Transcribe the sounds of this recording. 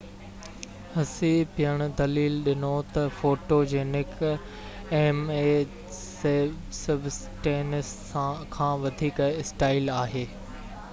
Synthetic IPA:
hɐsipɪjəɽ̃d̪ɐliːlɗɪnot̪ɐfoːʈod͡ʑeːnɪk | eːmeː | s | sɐbs | ʈeːnɪs | kʰãːʋɐd̪ʱiːkɪsʈaːɪlaːɦeː

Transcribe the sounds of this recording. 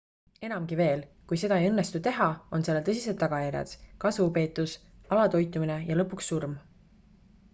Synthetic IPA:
e̞nɑmɡive̞ːlkujse̞d̪ɑe̞jɤnːe̞st̪ut̪e̞ɦɑo̞nse̞lelt̪ɤsis̬e̞d̪ːɑɡ̥ɑjæɾjɑ̰d̪̥kɑsvupe̞ːt̪ːˑus | ɑlɑt̪o̞jt̪ːˑumine̞jɑlɤpːˑuksːurm

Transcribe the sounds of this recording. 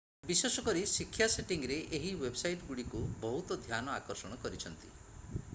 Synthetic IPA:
bisesɔkɔɾisikʰːjaseʈiŋɾeʔeɦiwebsajʈɔɡuɽikubɔɦut̪ɔd̪ʱjanɔakɔɾsɔɽ̃ɔkɔɾit͡ʃʰɔnt̪ḭ

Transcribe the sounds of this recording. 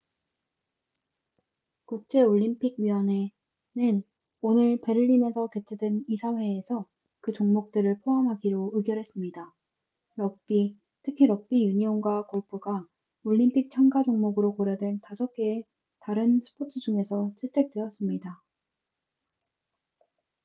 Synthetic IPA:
kuk̚t͡ɕ͈e̞oʎːimpʰiɡɥiʌne | nɯn | onɯɭpe̞ɾɯʎːimensʰʌke̞t͡ɕʰedwenisʰaɦwe̞ːsʰʌ | kɯt͡ɕoŋmok̚t͈ɯɾɯɭpʰoɦamɦaɡiɾoɯɡjʌɾɦe̞s͈ɯmɲida | ɾʌk̚p͈i | tʰɯkʰiɾʌk̚p͈ijuɲionɡwakoɭpʰɯɡa | oʎːimpʰik̚t͡ɕʰaŋɡad͡ʑoŋmoɡɯɾokoɾjʌdwe̞ntasʰʌkʰeː | taɾɯnsʰɯ̥pʰotʰɯd͡ʑuŋe̞sʰʌt͡ɕʰetʰe̞k̚t͈we̞ʌs͈ɯmɲida

